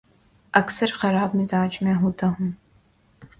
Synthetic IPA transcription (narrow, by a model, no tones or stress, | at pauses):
ʔɐksɐrχɐɾaːb̚mizaːt͡ʃʼmiaɦudʰɐʁʷʊm